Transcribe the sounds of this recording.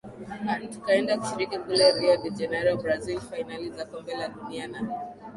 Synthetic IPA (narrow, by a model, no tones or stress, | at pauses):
an̩tukaɛndaku̥ʃiɾikikulɛɾiadid͡ʒɛnɛɾɔbɾazilfainalizakɔmbɛlaɗuniana